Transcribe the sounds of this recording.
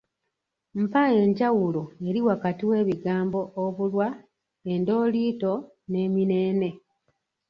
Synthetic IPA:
m̩pae̞ɲɟawuloe̞ɾiwakatiwe̞ːβiɡaːmbo̞ʔːβulwa | e̞ndo̞ːliːto̞ | ne̞ːmine̞ːne̞

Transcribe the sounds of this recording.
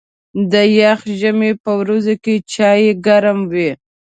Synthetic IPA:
d̪əjaxʒəmepəwɾazoket͡ʃɑjeɡaɾamwi

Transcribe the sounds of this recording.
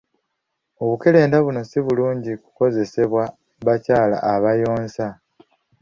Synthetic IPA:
o̞βuke̞le̞ːndaβuno̞siβuluːɲɟiku̥ko̞ze̞se̞βwa | βacaːla̰ʔːβajo̞ːnsa

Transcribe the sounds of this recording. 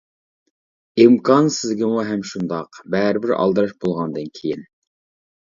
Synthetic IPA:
imkʰɑnsɪzɡʲɪmuɦɛmʃund̪ɑqbɛɾɪbɪɾɑ̰lˠd̪ɨɾɑʃbolˠʁɑnd̪ɨnkʲʰijin

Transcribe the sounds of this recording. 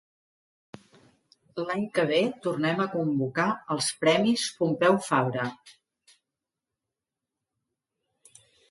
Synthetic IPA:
laɲkəβ̞et̪urnɛməkumbukaəlˠspɾɛmispumpɛwfaβɾə

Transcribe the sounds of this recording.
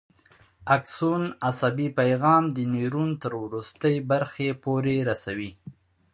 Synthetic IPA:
aksunasabipajɣɑmd̪əniɾunt̪əɾwɾust̪əjbaɾxepoɾeɾasawi

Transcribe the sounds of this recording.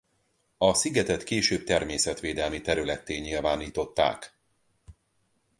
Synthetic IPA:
ɒsiɡɛt̪ɛt̪keːʃøːb̚t̪ɛrmeːsɛt̪ʋeːd̪ɛlmit̪ɛɾylɛt̪ːeːɲilvaːniːt̪o̞t̪ːa̰ːk

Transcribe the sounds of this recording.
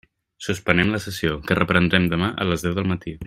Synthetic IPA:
suspənɛmləsəsiokərəpɾənd̪ɾɛmd̪əmaʔə̰ləzðɛwðəlˠmət̪i

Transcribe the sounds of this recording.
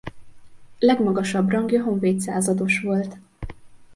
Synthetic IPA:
lɛɡmɒɡɒʃɒbrɒŋɡjɒɦo̞ɱveːt̪saːzɒd̪o̞ʃʋo̞lt̪

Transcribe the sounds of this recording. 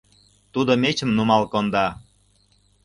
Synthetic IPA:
t̪ud̪omet͡ɕə̆mnumɑlkond̪ɑ

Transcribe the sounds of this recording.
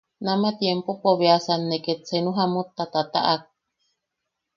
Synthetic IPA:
namat̪jempopoβeasanːeket͡senuɦamut̪ːat̪at̪a̰ʔak̚

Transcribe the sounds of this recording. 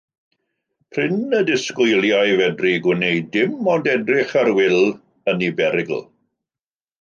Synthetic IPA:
pʰrɪnədɪskʊjlˠjajvɛdriɡwɪnejdɪmɔndɛdrɪχaɾwɪlˠ | ənibɛɾɪɡl̩ˠ

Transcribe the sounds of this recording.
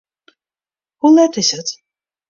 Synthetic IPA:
hulɛtɪsət

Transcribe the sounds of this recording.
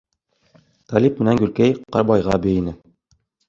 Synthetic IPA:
t̪ɑlʲip̚mɘ̆næŋɡʉlkæjqɑɾbɑjʁɑbɘ̆jinɘ

